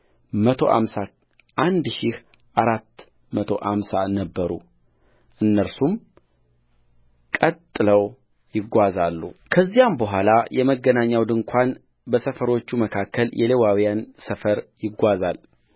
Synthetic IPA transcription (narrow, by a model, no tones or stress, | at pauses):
mət̪ʰo̞̰ʔa̰msa | ʔand̪ʃɪh | ʔaɾat̪ː | mət̪ʰo̞̰ʔa̰msanəbːəɾṵ | ʔɨnːəɾsum | kʼət̪ʼːɨləw | jɪɡʷazalːukʰəzːijambəɦʷalajʔɛməɡːənaɲːawd̪ɨŋkʷʰan | bəsəfəɾot͡ʃːuməkʰakʰːəljʔɛlewawijansəfəɾjɪɡʷazal